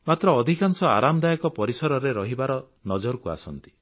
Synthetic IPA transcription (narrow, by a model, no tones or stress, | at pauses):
mat̪ɾɔːd̪ʱikaŋsɔa̰ɾamɔd̪ajɔkɔpɔɾisɔɾɔɾeɾɔɦibaɾɔ | nɔd͡ʒɔɾɔkua̰sɔnt̪i̥